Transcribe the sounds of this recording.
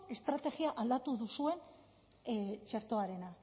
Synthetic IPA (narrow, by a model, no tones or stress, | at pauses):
e̞st̪ɾat̪e̞ɣiaʔald̪at̪uðusue̞n | t͡ʃe̞ɾt̪oaɾe̞na